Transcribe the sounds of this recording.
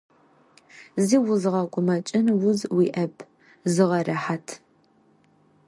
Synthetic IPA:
ziːwʊzʁɐkʷʼʊmɐt͡ʃʼɪnwʊzwiʔɐpʰ | zɨʁɐrɐħatʰ

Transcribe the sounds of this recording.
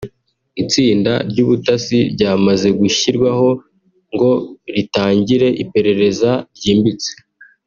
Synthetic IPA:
it͡siːnda̰ɾɟuːβutasiɾɟaːmaze̞ɡuçiɾɡwaɦo̞ | ŋɡo̞ɾitaːɲɟiɾe̞ʔipe̞ɾe̞ɾe̞zaɾɟiːmbit͡se̥

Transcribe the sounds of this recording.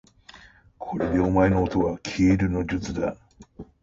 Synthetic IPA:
kʰo̞ɾe̞d̪e̞omae̞no̞ːt̪o̞βakʲʰeːɾɯ̟no̞d͡ʑɨt͡sɨd̪a̰

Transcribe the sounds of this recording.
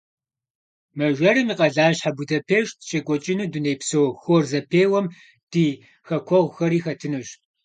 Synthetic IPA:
mɐʒʷɐɾɨmiːqʼɐɮaːɕħabʊtʰɐpʰeːʃtʰʃekʷʼɔt͡ʃʼɪnɨːdunejpsowxʷɔrzɐpʰeːwɐm | d̥iː | xɐkʷʰɔʁʷxɐɾiːxɐtʰɨnɨɕ

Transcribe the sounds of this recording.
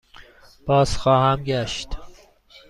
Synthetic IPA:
b̥ɒːz̥xɒːhæmɟæʃt̪

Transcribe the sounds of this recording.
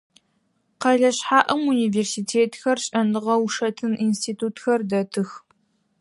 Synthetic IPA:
qɐɮɐɕħaːʔɐmuniːveːrsiːtʰeːtxɐrɕʼɐnɨʁɐwʂɐtʰɨninstʰiːtʰuːtxɐrdɐtʰɨx

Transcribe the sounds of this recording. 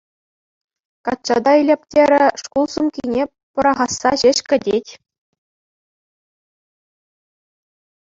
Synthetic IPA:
kɑt̪̚t͡ɕɑd̪ɑilʲepʲtʲeɾʲɘ̆ʂkulˠsumkʲinʲe | pɤ̆ɾɑʁɑsːɑʑɘ̆ɕkʲɘ̆dʲetʲ

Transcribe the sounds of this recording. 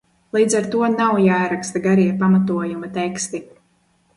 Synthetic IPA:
lˠiːd̪zaɾt̪uɔnawjaːɾakst̪aɡaɾiaɾpamat̪uɔjumat̪ɛkst̪i

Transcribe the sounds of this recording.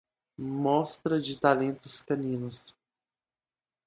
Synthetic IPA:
mɔst̪ɾɐd͡ʒɪt̪alẽnt̪ʊskɐ̃nĩnʊs

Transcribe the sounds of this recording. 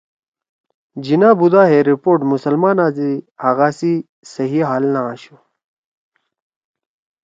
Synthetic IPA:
d͡ʑinãːbud̪aːɦeɾipoːʈmusɐlmaːnaːzihɐɣaːsi | sɐɦiɦaːlnaãːɕu

